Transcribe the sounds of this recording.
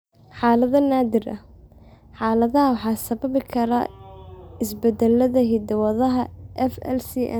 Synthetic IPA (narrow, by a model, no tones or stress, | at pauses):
ħɑːlɐðɐnaːd̪ɪrʔɐ̰ | ħɑːlɐðɐɦɐwɑħɑːsɐβɐβɪkʰɐɾa̰ | ɪsbɛd̪ɐlɐðɐɦid̪ɐwɐðɐɦɐʔɛfɛ̰lsiʔ